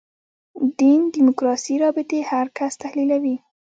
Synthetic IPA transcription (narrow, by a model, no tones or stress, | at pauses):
d̪ind̪imʊkɾɑsiɾɑbɪt̪ehaɾkast̪ahlilawi